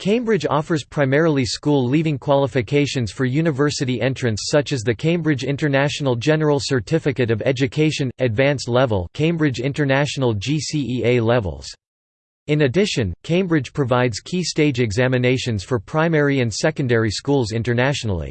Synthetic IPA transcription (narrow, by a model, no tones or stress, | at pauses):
kʰẽɪ̃mbɹɨd͡ʒɔ̰fə˞z̥pʰɹ̥aɪmɛɹl̩ˠiskulˠlivɪ̃ŋkʰw̥ɑlˠəfɨkʰeɪʃɨ̃nz̥fə˞jʉnɨvɜ˞sɨɾiʔɛ̃nt͡ʃɹ̥ɨ̃nsʌt͡ʃɨzðɨkʰẽɪ̃mbɹɨd͡ʒɪ̃ntə˞næʃn̩l̩ˠd͡ʒɛnə˞l̩ˠsə˞tʰɪfɨkɨɾʌvɛd͡ʒɨkʰeɪʃɨ̃nɨdvæ̃nslɛvə̰l̩ˠkʰẽɪ̃mbɹɨd͡ʒɪ̃ntə˞næʃn̩l̩ˠd͡ʒisiieɪlɛvə̰l̩ˠz̥ | ɨ̃nɨdɪʃɨ̃nkʰẽɪ̃mbɹɨ̥d͡ʒ̥pʰɹ̥ɨvaɪdz̥kʰisteɪd͡ʒɨɡzæmɨneɪʃɨ̃nz̥fə˞pʰɹ̥ãɪ̃mɛɹiɨ̃nsɛkɨ̃ndɛɹiskulˠzɪ̃ntə˞næʃnl̩ˠḭ